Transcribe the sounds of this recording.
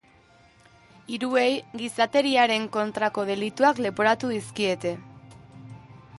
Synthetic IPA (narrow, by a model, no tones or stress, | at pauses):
iɾue̞jɡisat̪e̞ɾiaɾe̞ŋko̞nt̪ɾako̞ð̞e̞lit̪uakle̞po̞ɾat̪uðiskie̞t̪e̞